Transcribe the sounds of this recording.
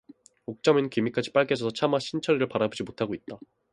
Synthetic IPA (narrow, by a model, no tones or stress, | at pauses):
ok̚t͡ɕ͈ʌmɯnkimik͈ad͡ʑi̥p͈aɭɡed͡ʑʌsʰʌt͡ɕʰamaɕʰint͡ɕʰʌɾiɾɯɭpaɾabod͡ʑimotʰaɡoit̚t͈a